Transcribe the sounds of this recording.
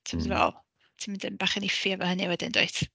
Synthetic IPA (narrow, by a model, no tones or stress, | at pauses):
tʰimɔzvɛ̰lˠ | tʰimɪndɪmb̥aːχənifiavɔhənɨwɛdɪndo̰ɨθ